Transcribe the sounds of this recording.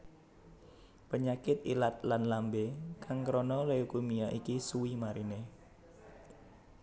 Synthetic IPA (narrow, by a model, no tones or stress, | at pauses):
pəɲakɪt̪̚ilat̪̚lanlambekaŋkɾonɔleukumiaʔikisuwimaɾine